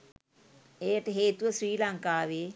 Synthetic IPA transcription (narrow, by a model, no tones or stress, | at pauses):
ejəʈəɦeːt̪uʋəsɾiːlaŋkaːʋeː